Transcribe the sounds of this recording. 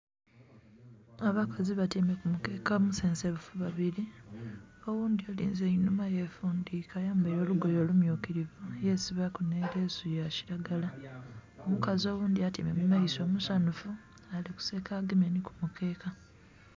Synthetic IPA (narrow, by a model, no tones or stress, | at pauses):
aβakʰaziβatimekumuke̞ːkamuseːnseβufuβaβiɾi | o̞wuːnd̪iolḭːnzeinumajefuːndiːkajaːmbejo̞ːluɡo̞jo̞ːlumjuːkiɾivujesiβakuneɾesujaci̥ɾaɡala | omukazo̞ːβuːnd̪iatime̞mumaiso̞ːmusanufu | aliku̥seːkaɡimeniku̥mukʰe̞ːka